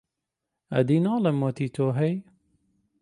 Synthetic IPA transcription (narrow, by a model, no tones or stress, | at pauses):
ɐ̰d̪inɑːlemot̪it̪ʰoːɦɛj